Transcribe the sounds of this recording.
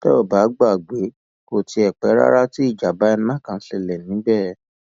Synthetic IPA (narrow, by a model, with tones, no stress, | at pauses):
tɛ̰˦ɔ˨ba˨˦ɡ͡ba˦˨ɡ͡be˨˦ | ko˨ti˧ɛ˨k͡pɛ˨˦ɾa̰˦ɾa˦ti˦i˦˨d͡ʒa˨ba˨˦ɛ˧nã˦˨kã˨n̩˦ɬɛ˨lɛ˨nĩ˨˦bɛ˦˨